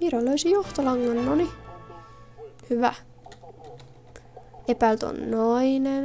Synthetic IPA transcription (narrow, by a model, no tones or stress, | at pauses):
miɾoløysijoht̪ɑlɑŋːɑnːoni | hyʋæ̰ | epæilt̪o̰nnoinen